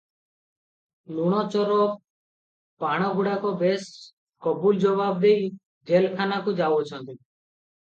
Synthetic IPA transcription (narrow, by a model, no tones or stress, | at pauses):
luɽ̃ɔt͡ʃɔɾɔ | paɽ̃ɔɡʱuɽakɔbes | kɔbuld͡ʒɔbab̚d̪ej | d͡ʒelkʰanakud͡ʒawot͡ʃʰɔ̃nt̪i